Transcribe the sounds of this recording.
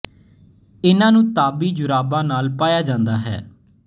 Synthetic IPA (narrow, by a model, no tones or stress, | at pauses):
ɪnãːnũːt̪aːbiːd͡ʒʊɾaːbãːnaːlpaːjaːd͡ʒãːnd̪aːɦɛ̰ː